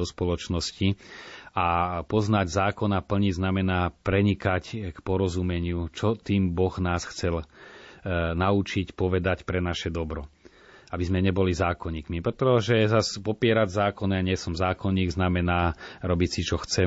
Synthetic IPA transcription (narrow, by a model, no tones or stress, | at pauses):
ɔspɔlɔt͡ʃnɔsci | apɔznaɟzaːkɔnapl̩ɲiznamɛnaːpɾɛɲikackpɔɾɔzumɛɲɪut͡ʃɔt̪iːmbɔɣnaːsxt͡sɛl | naut͡ʃicpɔʋɛd̪acpɾɛnaʃɛd̪ɔbɾɔ | abizmɛɲɛbɔlizaːkɔɲiːkmipɾɛt̪ɔʒɛzaspɔpɪɛɾaɟzaːkɔnaɲɪɛsɔmzaːkɔɲiːɡznamɛnaːɾɔbicsit͡ʃɔxt͡sɛ